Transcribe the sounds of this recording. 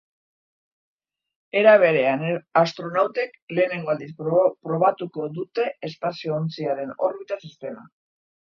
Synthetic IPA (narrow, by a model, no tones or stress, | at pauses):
e̞ɾaβ̞e̞ɾe̞anast̪ɾo̞nawt̪e̞kle̞ːne̞ŋɡo̞ald̪ispɾo̞β̞at̪uko̞ðut̪e̞ːspasio̞ːnt͡siaɾe̞no̞ɾβit̪asist̪e̞ma